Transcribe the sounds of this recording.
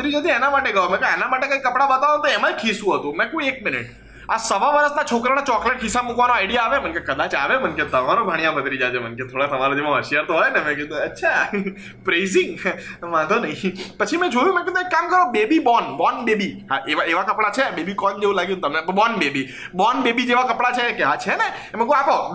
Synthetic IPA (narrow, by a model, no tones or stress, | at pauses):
ət̪ɾid͡ʒad̪ĩenamaʈeɡəʋomɛ̃kãenamaʈekaikːəpɽabət̪aʋot̪oɛmãkʰisũɦət̪ũmɛ̃kũek̚mɪnɪ̰ʈ | asəʋaʋəɾəsnat͡ʃʰokɾanat͡ʃɔkleʈ̚ɦʰisamukʋanoaɪɽijaːʋemənkekəd̪at͡ʃaʋemənket̪əmaɾobʱaɽ̃ijãbət̪ɾid͡ʒad͡ʒ̪emənket̪ʰoɽat̪əmaɾad̪imãɦəʃijaɾt̪oɦɔjnemɛ̃ked̪ũətːʃʰa | pɾezɪŋɡmãt̪onəɦĩpət͡ʃʰimɛ̃d͡ʒojũmɛ̃ked̪ũekːamkəɾõbebibɔnbɔnbebiɦãʔeʋaeʋakəpɽat͡ʃʰebebikɔnd͡ʒeʋũlaɡjũt̪əmnebɔnbebi | bɔnbebid͡ʒeʋakəpɽat͡ʃʰekeɦat͡ʃʰene | mɛ̃kako